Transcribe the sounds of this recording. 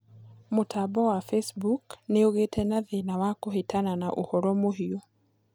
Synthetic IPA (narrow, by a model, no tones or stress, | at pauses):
motʰabɔwafesbukneoɣetʰɛnaðenawakoɦetananaʔohɔɾɔmoɦio